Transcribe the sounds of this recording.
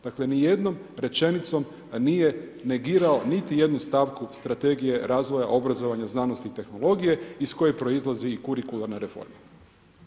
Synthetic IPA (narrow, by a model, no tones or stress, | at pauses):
d̪̥akle̞nije̞d̪no̞mɾe̞t͡ʃe̞nit̪so̞m | nije̞ne̞ɡiːɾao̞nit̪ije̞d̪nust̪aːʋkust̪ɾat̪e̞ɡije̞ɾaːzʋo̞ja̰ʔo̞bɾazo̞ʋaɲaznaːno̞st̪iːt̪e̞xno̞lˠo̞ɡije̞isko̞jepɾo̞izlˠaziːkuɾikulˠaɾnaɾe̞fo̰ɾma